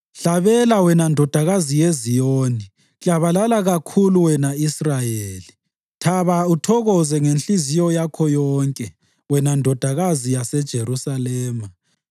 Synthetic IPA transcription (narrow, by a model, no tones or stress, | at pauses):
ɬaβɛlawɛnandʱɔd̥ʱaɣazijezijoːni | ɣjaβalalaɣakʰuluwɛnaisrajeːli | tʰaβautʰɔɣɔzɛŋenɬizijɔjakʰɔjɔːŋkʼɛ | wɛnandʱɔd̥ʱaɣazijasɛd̥ʒ̥ʱeɾusalɛːma